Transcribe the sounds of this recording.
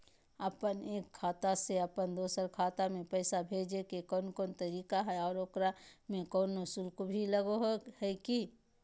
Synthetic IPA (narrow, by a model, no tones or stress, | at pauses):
əpəneːkʰːaːt̪aseəpənd̪oːsəɾkʰaːt̪amẽpɛːsabʱeːd͡ʒekekɔːnkɔːnt̪əɾiːkaɦɛɔːɾokɾamẽkɔːnʊsuːlkobʱiləɡoɦhɛki